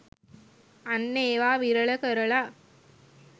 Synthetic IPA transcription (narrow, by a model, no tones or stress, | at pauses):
ɐnːeːʋaːʋiɾɐɭɐkɐɾɐɭa